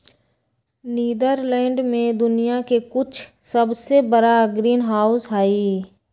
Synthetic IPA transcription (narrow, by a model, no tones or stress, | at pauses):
niːd̪əɾlɛ̃ːɳɖmẽd̪ʊnijakekʊt͡ʃʰ | səbsebəɾaɡɾiːnɦaːʊsɦaːiː